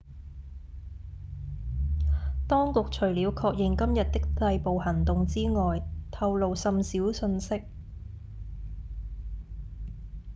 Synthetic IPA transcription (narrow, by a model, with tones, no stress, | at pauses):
t̪ɔː˥ŋkʊ˨k̚t͡ʃʰɵ˨˩ɥliː˨˧wkʰɔː˧k̚jɪ˨ŋkɐ˥mjɐ˨t̚t̪ɪ˥k̚t̪ɐ˧jpo˨whɐ˨˩ŋt̪ʊ˨ŋt͡siː˥ŋɔː˨jt̪ʰɐ˧wlo˨wsɐ˨˧msiː˨˥wsɵ˧nsɪ˥k̚